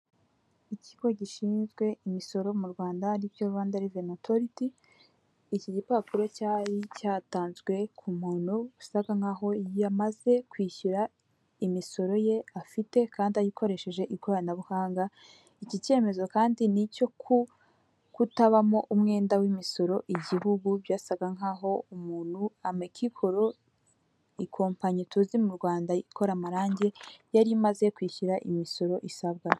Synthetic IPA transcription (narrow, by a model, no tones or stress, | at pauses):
iciɡo̞ɟiʃiːnzɡwe̞imiso̞ɾo̞muɾɡwaːndanibjoɾuβaːndaɾivenotʰoɾitiː | ciɟipakuɾo̞caːɾicaːtaːnzɡwe̞kʰumuːn̥huɡusaɡaŋaɦo̞jamaze̞kwiːɕuɾa | imiso̞ɾo̞je̞afite̞kʰaːndiajikʰo̞ɾe̞ʃe̞ʒe̞ʔiɡojanaβuhaːŋɡa | icice̞ːme̞zo̞kaːndinico̞kʰu | kutaβamo̞ʔumŋe̞ːndawimiso̞ɾo̞ʔiɟihuɡubjaːsaβɡaŋɦaːɦo̞umuːn̥huamekʰikʰo̞ɾo̞ | ikʰo̞ːmpaɲitʰuːzimuɾɡwaːndaikʰo̞ɾamaɾaːɲɟe̞jaɾimaze̞kwiːçuɾaʔimiso̞ɾo̞ʔisaβɡa